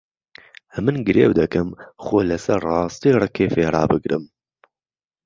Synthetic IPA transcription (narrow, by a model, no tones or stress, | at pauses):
mɨnɡɨɾeːwd̪ɐkɨmxoːlɐsɐɾrɑːst̪iːrˤɨkʰeːfeːrˤɑ̰ːbɨɡɾɨ̰m